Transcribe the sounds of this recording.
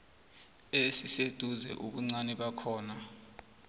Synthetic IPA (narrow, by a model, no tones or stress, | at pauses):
esised̥ʱuzɛ̰ʔuɓuŋ͡ǀanɛɓakʰɔːna